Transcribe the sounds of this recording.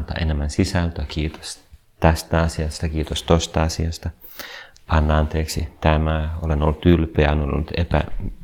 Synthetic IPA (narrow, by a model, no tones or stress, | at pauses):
lt̪ɑ̰ʔenemːænsisælt̪økiːt̪o̥s | t̪æst̪æɑsiɑst̪ɑkiːt̪ost̪ost̪ɑɑsiɑst̪ɑ | ɑnːɑɑnt̪eːksit̪æmæolenolːut̪ylpeænolo̰lːut̪epæ̰